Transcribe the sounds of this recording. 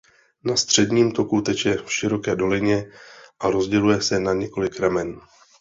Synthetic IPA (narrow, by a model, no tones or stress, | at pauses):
nast̪r̝̥ɛdɲiːmt̪o̞kut̪ɛt͡ʃjɛfʃɪɾo̞kɛːdolɪɲɛʔaɾo̞zɟɛlujɛsɛnaɲɛko̞lɪkɾamɛn